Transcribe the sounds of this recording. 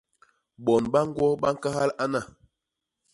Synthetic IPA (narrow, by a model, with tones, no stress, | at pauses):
ɓɔ˨nɓa˦ŋ̩˦ɡwɔ˦ɓa˦ŋ̩˦ka˦ha˦la˦na˦˨